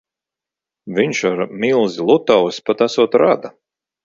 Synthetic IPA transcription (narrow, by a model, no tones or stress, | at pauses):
viɲʃaɾmilˠzilˠut̪awsʲpat̪asuɔt̪ɾad̪a